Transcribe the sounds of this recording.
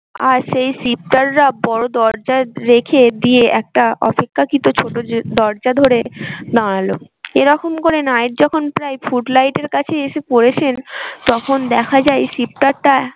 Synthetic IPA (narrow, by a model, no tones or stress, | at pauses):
a̰ɾʃejsip̚ʈaɾːabɔɾod̪ɔɾd͡ʑaɾekʰed̪ieɛk̚ʈaʔɔ̰pekʰːakit̪ot͡ɕʰoʈod̪ɔɾd͡ʑad̪ʱoɾed̪ãɽ̃alo | eɾɔkomkoɾenajʈ̚d͡ʑɔkʰonpɾajfuʈlajʈeɾkat͡ɕʰeeʃepoɾet͡ɕʰent̪ɔkʰond̪ɛkʰad͡ʑajsip̚ʈaɾʈa